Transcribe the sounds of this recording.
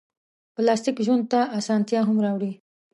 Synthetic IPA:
plɑst̪ɪkʒwand̪̚t̪aasɑnt̪jɑɦamɾɑwɽi

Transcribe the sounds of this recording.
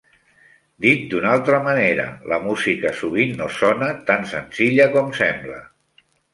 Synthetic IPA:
d̪it̪̚d̪unalˠt̪ɾəməneɾə̰ləmuzikəsuβ̞inːosɔnət̪ansənziʎəkɔmsɛmblə̰

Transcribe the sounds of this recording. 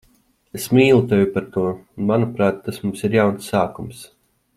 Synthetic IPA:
esmiːlˠut̪ɛjupaɾt̪uɔunmanupɾaːt̪ːasmumsiɾjawnsːaːkums

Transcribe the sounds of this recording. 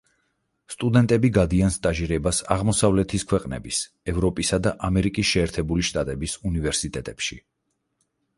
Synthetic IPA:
st̪ʼud̪ɛnt̪ʼɛbiɡad̪ianst̪ʼaʒiɾɛbasaʁmɔsavlɛt̪ʰiskʰwɛqʼnɛ̰bis | ɛvɾɔpʼisad̪aʔamɛɾikʼisʃɛːɾt̪ʰɛbuliʃt̪ʼat̪ʼɛbisunivɛɾsit̪ʼɛt̪ʼɛpʃi

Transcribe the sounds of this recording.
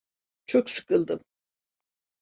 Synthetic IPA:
t͡ʃʰoksɨ̥kɯlˠd̪ɯm

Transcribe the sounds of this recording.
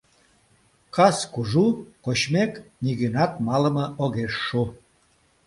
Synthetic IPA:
kɑskuʒukoɕmekniɣynɑt̪mɑləmɤ̆ʔoɣeʃːu

